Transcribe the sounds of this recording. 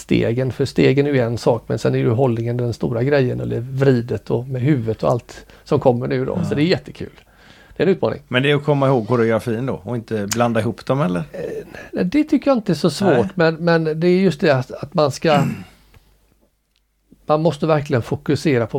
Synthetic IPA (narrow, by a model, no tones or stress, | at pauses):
st̪ḛːɡənfœʂt̪eːɡənæɾjɵɛnsɑːkmɛ̰nsɛnæɾjʏɦɔlnɪŋənd̪ɛnst̪uːɾaɡɾɛjːənɔ̰lɪ̰vɾiːd̪ət̪ʰɔmɛɦʉ̟ːvət̪ɔa̰lt̪ | sɔmkʰɔmːəɳʉ̟ːd̪ɔ̰sɔd̪ɛæɾjɛt̪ʰːə̥kʰʉ̰ːl | d̪̥ɛnʉ̟ːt̪mɑ̰ːnɪ̰ŋmɛnd̪ɛæɾɔkʰɔmːaɪhoːɡhʊɾɛɔɡɾafiːənd̪o̰ɔɪnt̪əbland̪aɪɦuːpːd̪ɔmhɛlːəɾnæd̪ɛt̪ʰʏkːəjaɪnt̪əɛʂɔsvoːʈmɛnmɛnd̪ɛːɾjɵst̪d̪ɛaat̪manska | manmɔst̪əvæɾklɪɡənfʊkɵseːɾapʰɔ